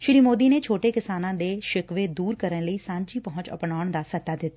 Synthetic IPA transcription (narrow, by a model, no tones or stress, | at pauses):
ʃɪɾiːmoːd̪iːneːt͡ʃʰoːʈeːkɪsaːnãːd̪eːʃɪkʋeːd̪uːɾkəɾənləiːsãːɲd͡ʒiːpəɦʊ̃ɲt͡ʃə̰pnaːʊɳd̪aːsət̪ːaːd̪ɪt̪ːaː